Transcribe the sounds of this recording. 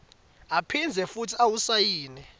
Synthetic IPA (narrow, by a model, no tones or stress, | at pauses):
apʰind͡zʱɛfutʰiawusajiːnɛ